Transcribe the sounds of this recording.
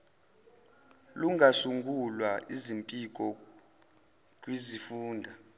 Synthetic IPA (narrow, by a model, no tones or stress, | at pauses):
luŋɡʱasuŋɡulwaizimpʼik̬ʼɔ | k̬ʼwizifuːndʱa